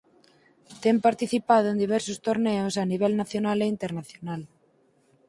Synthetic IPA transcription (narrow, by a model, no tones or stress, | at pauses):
t̪empaɾt̪iθipaðoẽnd̪iβ̞ɛɾsost̪oɾneosaniβ̞ɛlnaθjonaleint̪eɾnaθjonal